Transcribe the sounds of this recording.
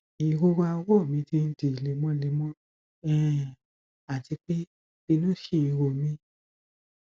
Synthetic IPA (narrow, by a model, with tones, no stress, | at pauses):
i˨˧ɾo˦wa˧˦wɔ˦˨mĩ˨˧˦ti˧n̩˦di˧˨le˧˦mɔ̃˦le˧mɔ̃˦ | ɛ˦˨ | a˨ti˨˧˦k͡pe˦ | b̥i˧nũ˦ʃe˦˨i˨˧ɾo˧˨mĩ˦